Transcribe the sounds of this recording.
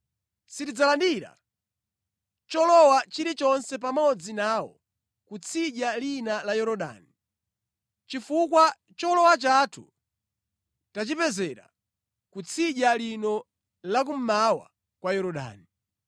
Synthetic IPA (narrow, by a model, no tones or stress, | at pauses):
sitid͡zalandiɾa̰ | t͡ʃɔlɔwat͡ʃiɾit͡ʃɔnsɛp̬amɔd͡zinaːwɔ̰ | kut͡sʰiʄalinalajɔɾɔɗa̰ni | t͡ʃifukwa | t͡ʃɔlɔwat͡ʃatʰṵ | tat͡ʃipɛzɛɾa̰ | kut͡sʰiʄalinɔ | lak̬um̩mawa̰ | kwajɔɾɔɗa̰ːni